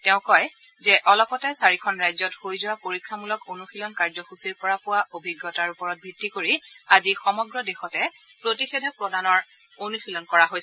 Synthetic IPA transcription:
tɛʊ̃kɔj | zɛʔɔlɔpɔtɛsaɹikʰɔnɹajzɔthojzʊwapoɹikʰːamulɔkonuxilɔnkaɹzɔxusiɹpɔɹapʊwaʔobʱiɡːɔtaɹupɔɹɔt̚bʱitːikoɹiazixɔmɔɡɹɔdexɔtɛ | pɹotixedʱɔpɹɔdanɔɹ | onuxilɔnkɔɹaɦojs

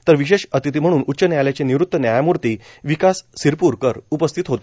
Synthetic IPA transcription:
t̪əɾʋiɕ̬eɕət̪it̪̬iːm̤əɽ̃uːnutːɕənjaljat͡ɕeniʋɾut̪ːənjajamuɾt̪iː | ʋikasːiɾpuɾkəɾupəst̪ʰit̪ɦot̪

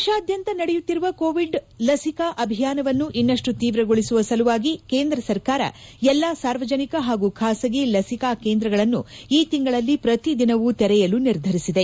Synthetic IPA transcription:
ʃaːd̪ʱjɐnt̪ɐnɐɽɛjut̪ːiɾuʋɐkoːʋiɖ | lɐsikaʔɐbʱijaːnɐʋɐnːuʔinːɐʂʈut̪iːʋɾɐɡoɭisuʋɐsɐluʋaːɡikeːnd̪ɾɐsɐɾkaːɾɐ̰ɛlːasaːɾʋɐd͡ʒɐnikɐɦaːɡukʰaːsɐɡelɐsikaːkeːnd̪ɾɐɡɐɭɐnːuiːt̪iŋɡɐɭɐlːipɾɐt̪id̪inɐʋut̪ɛɾɛjɐluniɾd̪ʱɐɾisid̪e̞

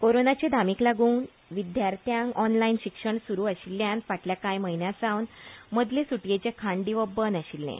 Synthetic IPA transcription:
koɾonat͡ɕed̪ʱamiːklaɡuːn | ʋid̪jaɾt̪jãŋkɔnlainɕikʂəɳsuɾuːaɕilːjanʋaʈljakajməɦinjãsawnməd̪ʱlesuʈjet͡ɕekʰaɳɖiʋəbənaɕilːḛ̃

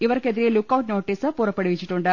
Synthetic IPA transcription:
iʋɐɾɐked̪ɾelukːɐwʈnoːʈiːsɐpuːɾɐpːɐɽiʋit͡ʃːiʈːuɳɖɐ

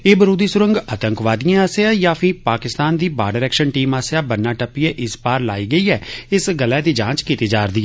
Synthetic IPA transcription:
eːbəɾuːd̪iːsʊɾəŋɡəːt̪əŋkʋaːd̪ijãːaːsɪaːjaːpʰɪpaːkɪst̪aːnd̪iːbaːɖəɾɛːkʃənʈiːmaːsjaːbənːaːʈəpiɛ̃ːʔɪspaːɾlaːiːɡəiːɛːɪsɡəlɛːd̪iːd͡ʒãːt͡ʃkiːt̪iːd͡ʒaːɾd̪iːɛː

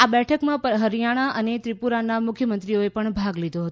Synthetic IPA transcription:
abɛʈʰəkmãpəɾɦəɾijaɽ̃aʔənet̪ɾipuɾanamʊkʰjəmənt̪ɾioepəɳbʱaɡlid̪ʱoɦət̪o

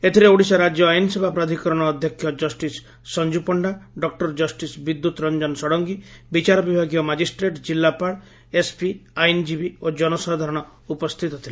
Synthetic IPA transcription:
et̪ʰiɾeoɽisaɾad͡ʒjɔajnɔsebʱapɾad̪ʱikɔɾɔɽ̃ɔːd̪ʱjɔkʰjɔd͡ʒɔsʈisː | ɔnd͡ʒupɔɳɖaɖɔk̚ʈɔɾd͡ʒɔsʈisbid̪ːut̪ɾɔnd͡ʒɔnsɔɽɔŋɡibit͡ʃaɾɔbibʱaɡijɔmad͡ʒisʈɾeʈd͡ʒilːapaɽ | espiajnd͡ʒibiod͡ʒɔnɔsad̪ʱaɾɔɽ̃ɔ | upɔst̪ʰit̪ɔt̪ʰile

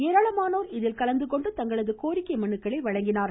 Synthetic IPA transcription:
eːɾaːɭɐmaːnoːɾɪðɪlkɐlɐnd̪ɯkɔɳɖɯt̪ɐŋɡɐɭɐðɯkoːɾɪkːɐɪmɐɳːɯkːɐɭɐɪʋɐɻɐŋɡɪnaːɾ

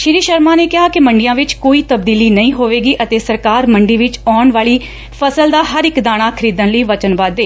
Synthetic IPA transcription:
ʃɪɾiːʃəɾmãːneːkɪɦaːkɪməɳɖijãːʋɪt͡ʃkoːiːt̪əbd̪iːliːnəĩːɦoːʋeːɡiːʔət̪eːsəɾkaːɾməɳɖiːʋɪt͡ʃɔːɳʋaːɭiː | pʰəsəld̪aːɦəɾɪkd̪aːɽ̃aːkʰəɾiːd̪ənləiːʋət͡ʃənʋaːd̪eː

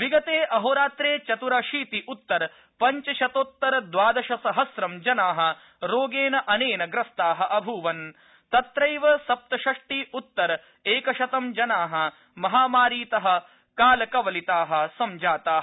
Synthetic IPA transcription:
ʋiɡɐt̪eːʔɐɦoːɾaːt̪ɾeːt͡ʃɐt̪uɾaʃiːt̪iʔut̪ːɐɾ | pɐɲt͡ʃɐʃɐt̪oːt̪ːɐɾɐd̪ʋaːd̪ɐʃɐsɐɦɐsɾɐmd͡ʒɐnaːɦɐ̆ | ɾoːɡeːnɐʔɐneːnɐɡɾɐst̪aːɦɐ̆ʔɐbʱuːʋɐn | t̪ɐt̪ɾɐjʋɐsɐp̚t̪ɐʃɐʂʈiut̪ːɐɾɐ | eːkɐʃɐt̪ɐmd͡ʒɐnaːɦɐ̆ | mɐɦaːmaːɾiːt̪ɐɦɐ̆ | kaːlɐkɐʋɐlit̪aːɦɐ̆sɐmd͡ʒaːt̪aːɐ

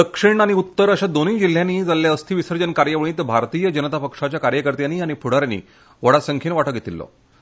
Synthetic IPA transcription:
d̪əkʂiɳaɽ̃iut̪ːəɾəɕad̪oniːd͡ʑil̤ːjaniːd͡zaljaəst̪ʰiːʋisəɾd͡ʑənkaɾjəʋəɳ̃ĩːt̪bʱaɾt̪iːjəd͡ʑənət̪apəkʂat͡ɕjakaɾjəkəɾt̪janːiːaɽ̃ipʰuɽ̤aɾanḭː | ʋəɽasəŋkʰiːnʋaʈəkɡʱet̪ilːɔ̰

